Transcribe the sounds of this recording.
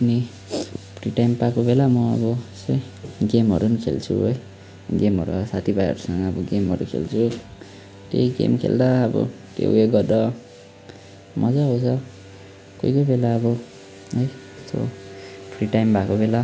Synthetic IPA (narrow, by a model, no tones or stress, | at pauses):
ʌni | pʰriʈajmpakobelamʌʌbʌesʌj | ɡemɦʌ̰ɾunikʰḛlt͡sʰṵɦoj | ɡemɦʌ̰ɾusat̪ʰibajʌ̰ɾusʌŋɡʌːbʌɡemɦʌ̰ɾṵkʰḛlt͡sʰu | t̪ḛiɡḛmkʰḛld̪aːbʌ̰t̪jḛeɡʌd̪ʌ | mʌd͡zaɦot͡sʰʌ | kojkobelaːbʌ | ɦoj | st̪ʰo̰pʰriʈajmbʱakobela